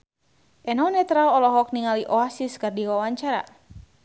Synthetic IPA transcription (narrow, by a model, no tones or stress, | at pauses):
ʔɛnɔnɛt̪ɾaɔlɔɦɔk̚niŋaliʔɔasiskərdiwawaɲt͡ʃaɾa̰